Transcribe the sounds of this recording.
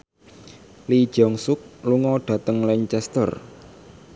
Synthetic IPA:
lid̥ʒ̥ɔŋsʊk̚luŋɔɖ̥a̤t̪əŋliɲt͡ʃɛst̪ə̰r

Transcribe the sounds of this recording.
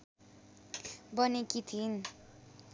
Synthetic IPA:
bʌnekit̪ʰin

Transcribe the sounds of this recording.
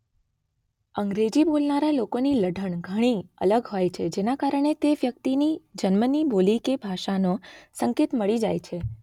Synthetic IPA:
əŋɡɾed͡ʒibolnaɾalokoniləɖʱəɳɡʱəɽ̃iə̰ləɡɦojt͡ʃʰed͡ʒenakaɾəɳ̃et̪eʋjək̚t̪inid͡ʒənmənibolikebʱaʃanosəŋket̪məɭid͡ʒajt͡ʃʰe

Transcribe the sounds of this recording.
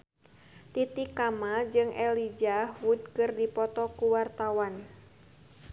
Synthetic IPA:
t̪it̪ikamad͡ʒɨŋʔɛlid͡ʒaɦud̪̚kɨrdipɔt̪ɔkuwart̪awan

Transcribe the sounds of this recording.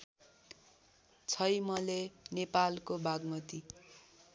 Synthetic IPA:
t͡sʰʌjmʌlenepalkobaɡmʌt̪i

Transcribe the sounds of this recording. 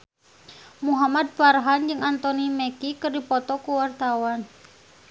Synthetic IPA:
muɦamad̪̚farɦand͡ʒɨŋant̪ɔnimɛkikɨrdipɔt̪ɔkuwart̪awan

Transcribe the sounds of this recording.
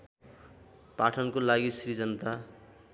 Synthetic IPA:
paʈʰʌnkolaɡisrid͡zʌnʌt̪a

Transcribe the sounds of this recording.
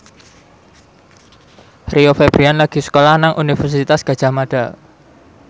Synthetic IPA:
riofeb̥ɾianlaɡ̥i̤sə̥kolahnaŋʔunifərsit̪asɡ̥a̤d̥ʒ̥a̤hmad̥a

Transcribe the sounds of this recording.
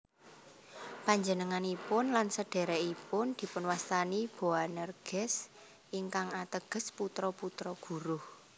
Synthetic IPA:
paɲd͡ʒənəŋanipʊnlansəɖ̥ɛ̤ɾɛipʊnd̪̥i̤pʊnwast̪anib̥o̤anərɡ̥ɛ̤s | ʔiŋkaŋat̪əɡ̥ə̤sput̪ɾɔput̪ɾɔɡ̥ṳɾʊh

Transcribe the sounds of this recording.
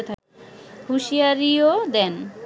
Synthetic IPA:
et̪ʰa | huʃijaɾiod̪ɛn

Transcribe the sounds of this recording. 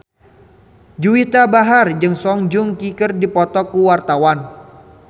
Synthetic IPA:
d͡ʒuwit̪abaɦard͡ʒɨŋsɔŋd͡ʒʊŋkikərdipɔt̪ɔkuwart̪awan

